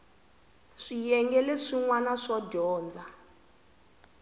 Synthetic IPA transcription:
ʂijɛŋɡɛlɛʂiŋwanaʂɔdɔːnd͡za

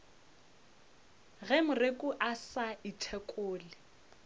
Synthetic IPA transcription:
ɣɛmʊrekʼʊʔasaitʰɛkʼʊːlɪ

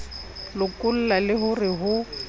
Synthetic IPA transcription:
lʊkʼʊl̩lalɪɦʊrɪɦʊ

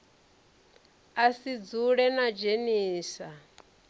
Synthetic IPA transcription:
asid͡zuɺɛnad͡ʒeniːsa

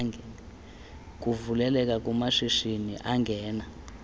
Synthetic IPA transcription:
ŋ | k̬ʼuvulɛlɛk̬ʼak̬ʼumaʂiʃinḭʔaŋɡʱɛːna

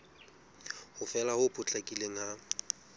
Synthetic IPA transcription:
hʊfɛlahʊpʼʊt͡ɬʼakʼileŋ̩ha

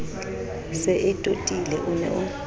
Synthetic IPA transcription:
sɛʔɛtʼotʼilɛʔunɛ̰ʔʊ

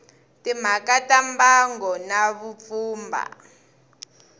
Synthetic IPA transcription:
tim̤akatambaŋɡɔnaβup̪fuːmba̰

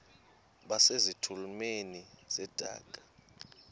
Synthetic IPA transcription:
ɓasezitʰulumeniz̥ɛd̥ʱa̰ːkʼḁ

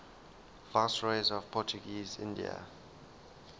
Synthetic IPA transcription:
vastɹeɪzɔv̥pʰɔt͡ʃuɡiːzɪ̰̃ndḭə̰

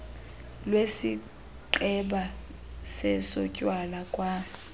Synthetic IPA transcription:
lwesi | ǃɛɓa | sɛsɔcʼwalakʼwa

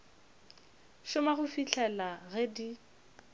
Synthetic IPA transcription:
ʃʊmaɣʊfiɬʰɛlaɣɛdi

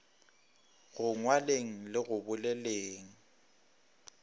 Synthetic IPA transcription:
ɣʊŋwaleŋ̩lɪɣʊbʊlɛleːŋ̩

